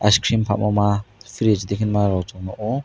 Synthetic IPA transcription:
a̰skʰɾimpʰa̰mamapʰiɾɛd͡ʒd̪ɛkʰinmaɾɔt̪ʰɔnɔʔɔ

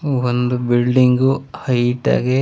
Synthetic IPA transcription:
ond̪ubilɖiŋɡuhɐjʈa̰ːɡe

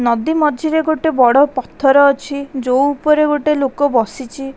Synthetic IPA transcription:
nɔd̪imɔd̪ʱiɾeɡoʈebɔɽɔpɔt̪ʰːɔɾɔːt͡ʃʰid͡ʒowupɔɾeɡoʈelokɔbɔsit͡ʃʰi

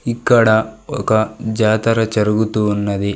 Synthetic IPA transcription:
ikːɐɽɐɔkɐd͡ʒaːt̪ɐɾɐt͡ʃɐɾuɡut̪uːnːɐd̪i

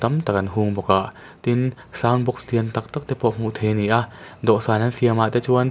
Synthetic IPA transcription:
t̪ɐmt̪ak̚ɐnɦuŋbɔkaʔ | t̪in | saːwnbɔk̚st̪iənt̪ɐk̚t̪ak̚t̪ɛpɔʔm̥uʔt̪ʰɛniʔad̪ɔʔsaːnɐnsiəmat̪ɛt͡ʃuən

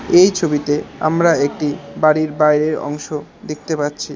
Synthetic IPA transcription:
ejt͡ɕʰobit̪ea̰mɾaek̚ʈibaɾiɾbajɾeɾɔ̰ŋʃod̪ek̚t̪epatːɕʰi

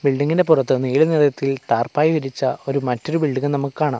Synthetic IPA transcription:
biɭɖiŋːindepurɐt̪ːɨniːjilɐneːðɐt̪ːilt̪aːrpaːjiʋiɾit͡ɕːɐo̞ɾumɐtːo̞ɾubiɭɖiŋɐnɐmukːɨkaːɳɨ

